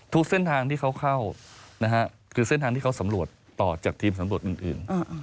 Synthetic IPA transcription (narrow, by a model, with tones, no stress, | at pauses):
t̪ʰu˦˥k̚se˥˩nt̪ʰaː˧ŋt̪ʰiː˥˩kʰa˦˥wkʰa˥˩wna˦˥kʰa˦˥ʔ | kʰɯː˧se˥˩t̪ʰaː˧ŋt̪iː˥˩kʰa˥wsa˩˦mɾu˨˩ət̪ːɔː˨˩t͡ɕaː˨˩k̚t̪ʰiː˧msa˨˩˦mɾu˨˩ət̪̚ʔɯː˨˩nʔɯ̰ː˨˩na˧